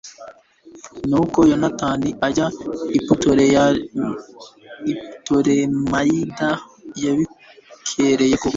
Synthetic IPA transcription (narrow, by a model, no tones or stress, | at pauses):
nukojonataːniaɟaiputoɾe | iu̥toɾemaidajaβikʰeɾejeku